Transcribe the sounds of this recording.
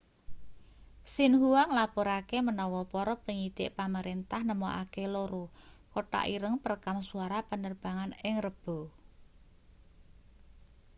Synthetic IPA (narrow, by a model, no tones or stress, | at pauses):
sinɦuwaŋlapuɾakemənɔwɔpɔɾɔpəŋid̪̥ɪʔpaməɾent̪ahnəmɔʔa̰keloɾokoʈa̰ʔiɾəŋpərkamsuaɾapənərb̥a̤ŋanɪŋrəb̥o̤